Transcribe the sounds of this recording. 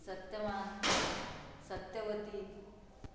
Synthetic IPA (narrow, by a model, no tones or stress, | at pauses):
sət̪jəma | sət̪jəʋət̪iːt̪